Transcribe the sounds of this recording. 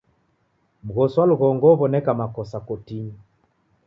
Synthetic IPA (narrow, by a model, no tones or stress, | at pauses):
m̩ɣɔswaluɣɔŋɡɔβɔnɛkamakɔsakɔtiɲi